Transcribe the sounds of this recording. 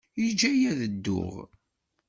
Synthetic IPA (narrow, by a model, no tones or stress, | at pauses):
id͡ʒæjæðəd̪ːʊ̰ʁ